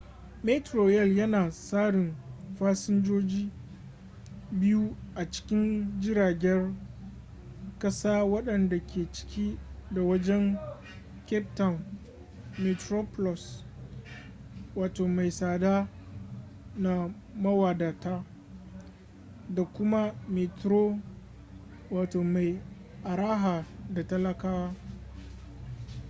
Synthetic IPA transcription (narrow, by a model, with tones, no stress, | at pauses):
me˦tɾoː˨jɛ˦˨ljɐ˦naː˨saː˦ɽɪ˨mɸaː˦sɪ˦nd͡ʒoː˦d͡ʒiː˦ | bɪ˦ju˦ʔa˨t͡ʃɪ̥˦kʲɪ˦nd͡ʒɪ˦ɾaː˨ɡʲɛ˦r | kɐ˦saː˦wɐ˦ɗɐ˨nda˨kʲeː˨t͡ʃɪ̥˦kʲiː˦da˨wɐ˦d͡ʒɛ˦ŋ | kʲɛ˦p̚ta˨n | mɛ˨tɾoː˦plɔ˨s | waː˨toː˨ma˨jsaː˨daː˦ | na˦ | mɐ˦waː˨daː˨taː˦ | da˨kʷʊ˦ma˦mi˨tɾoː˦ | waː˨toː˨ma˨j | ʔa˨ɾaː˦ɦaː˨da˨tɐ˦lɐ˦kaː˦waː˦